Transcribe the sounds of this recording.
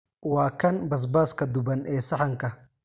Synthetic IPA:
waːkʰɐnbɐs̬baːskʰɐd̪ʊbɐnʔɛːsɐħɐŋkʰɐ

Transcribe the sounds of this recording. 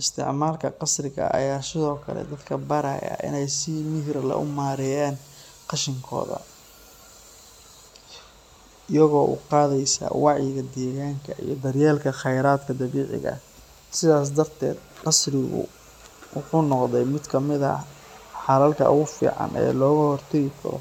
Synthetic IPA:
ʔɪst̪ʰɪ̰ʕmaːlkʰɐqɑsrɪɣɐ̰ʔɐ̰jaːsɪðɔːkʰɐ̰lɛ̰d̪ɐd̪kʰɐbɐɾɐ̰jɐ̰ʔɪ̰nɛjsɪmɪɦɪɾlɐ̰ʔʊmaːɾɛjaːn | qɑʃɪŋkʰɔ̰ːðɐ̰ | ɪjɐɣɔːʔʊ̰qɑːðɛjsa̰wɑʕjɪɣɐd̪ɛːɣaːŋkʰɐḭjɞd̪ɐrjɛːlkʰɐχɛjɾaːd̪kʰɐd̪ɐβiːʕɪ̰ɣɐ̰ | sɪðaːs̬d̪ɐrt̪ʰɛ̰ːd̪̚qɑsrɪɣʊ̰ | wʊħuːnɔqðɛjmɪd̪kʰɐmɪðɐ̰ | ħɑɾɐlkʰɐ̰ʔʊ̰ɣʊfḭːʕɑ̰nʔɛ̰ːlɔːɣɐhɔrt̪ʰɛɣɪkʰɐ̰ɾɔ̰

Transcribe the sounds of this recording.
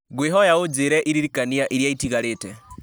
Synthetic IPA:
ɡweɦɔjaod͡ʒeɾɛʔiɾiɾikaniaʔiɾjaitiɣaɾetɛ

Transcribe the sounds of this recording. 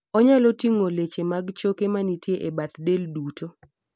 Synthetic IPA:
ɔɲalɔtiŋolet͡ʃemaɡt͡ʃokemanitjeʔebat̪deldutʰo

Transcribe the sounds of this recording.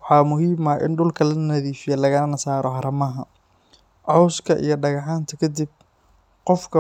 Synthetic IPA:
wɑħɑːmʊɦiːmɐʔɪ̰nɖʊlkʰɐlɐnɐðiːfɪjɛlɐɣɐnɐnɐsaːɾɔhɐɾɐmɐɦɐ | ʕɔwskʰɐʔḭjɞɖɐɣɑħaːnt̪ʰɐkʰɐd̪ib̚ | qɔfkʰɐ

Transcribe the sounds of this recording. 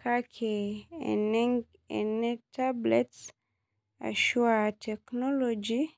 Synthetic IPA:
kʰakʰenɛŋ | ḛnɛtablḛts | a̰ʃuatʰɛknɔlod͡ʒi

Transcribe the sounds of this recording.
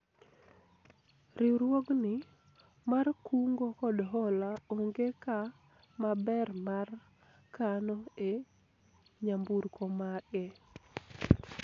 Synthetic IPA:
ɾɪɾwoɡnɪ | markuŋɡokɔdɦɔlaoŋɡeka | mabɛrmar | kanɔe | ɲambuɾkʰomaɡɛ

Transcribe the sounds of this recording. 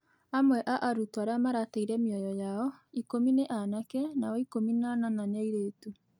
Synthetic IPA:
amwɛʔaʔaɾutaɾamaɾataiɾɛmjɔjɔjaɔikomineʔanakɛnaɔikominananaɲaiɾeːtu

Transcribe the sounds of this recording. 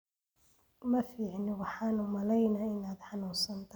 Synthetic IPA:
mɐfiːʕnɪwɑħɑːnʊmɐlɛjnaɪnaːd̪ħɑnuːnsɐnt̪ʰ

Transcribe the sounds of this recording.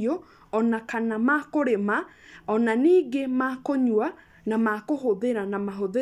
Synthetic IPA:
o | ɔnakanamakoɾema | ɔnaniːɡemakoɲwa | namakoɦoðeɾanamaɦoðe

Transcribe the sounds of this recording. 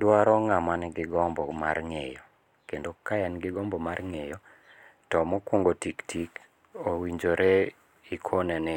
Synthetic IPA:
dwaɾɔŋamanɡɪɡɔmbɔmarŋejɔ | kendokajanɡɪɡɔmbɔmarŋejɔ | tɔmɔkwoŋɡotiktʰik | owiɲd͡ʒoɾe | ikʰonɛnɛ

